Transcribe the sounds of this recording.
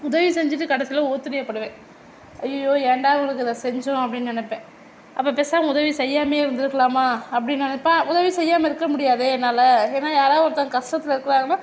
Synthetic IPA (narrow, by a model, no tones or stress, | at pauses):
ʊðɐʋisɛɲd͡ʒɪʈːɯkɐɽɐsɪlɐoːt̪ːɯɾɪjɐpːɐɽɯʋẽː | ɐjːɐjːoːɛɳɖaːʋɐŋɡɐɭɯk̬ːɯðãːsɛɲd͡ʒʊ̃ɐpːɐɽɪnːnɛnɛpːẽː | ʔɐpːɐːpeːsaːŋɐʊðɐʋisɛjːaːmeːɪɾɯnd̪ɪɾɯkːɐlaːmaːɐpːɐɽɪnːnɛnɛpːãːʊðɐʋisɛjːaːmɐɪɾɯkːɐmʊɽɪjaːðɯɛnːaːlɐeːnːaːjaːɾaːʋɐɾɐt̪ːãŋɐkɐʂʈɐt̪ːɪlɐɪɾɯkːɐlaːŋɡɐnːaː